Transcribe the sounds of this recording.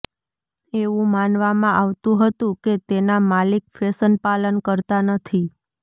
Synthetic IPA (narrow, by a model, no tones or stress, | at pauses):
eʋũmanʋamãʔaʋt̪ũɦət̪ũket̪enamalik̚fesənpalənkəɾt̪anət̪ʰi